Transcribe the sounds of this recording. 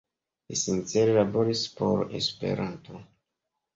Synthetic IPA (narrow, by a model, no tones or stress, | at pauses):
lisint͡seɾelabo̞ɾispo̞ɾe̞̰spe̞̰ɾʔanto̞